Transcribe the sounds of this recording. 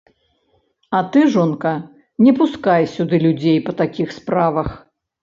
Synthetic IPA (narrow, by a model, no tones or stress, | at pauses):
ɐt̪ɨʐɔnkɐ | nʲɛpuskajsʲud̪ɨlʲud͡zʲejpɐt̪akʲixspɾavɐx